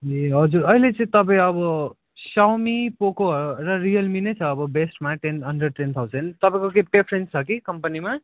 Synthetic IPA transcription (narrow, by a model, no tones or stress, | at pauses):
eɦʌd͡zuɾʌilet͡sʌ̃ĩt̪ʌp̬ãĩʌbʌ | sawmipokoɦɾoɾʌɾijʌlminʌjt͡sʰʌːbʌbesʈmaʈenʌnɖʌɖ̚ʈent̪ʰawd͡zʌnt̪ʌpãĩkokepɾepʰɾent͡sʰʌkikʌmpʌnima